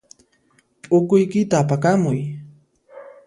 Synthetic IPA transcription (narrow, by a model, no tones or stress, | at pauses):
pʼʊkʊjkɪt̪aːpakamʊj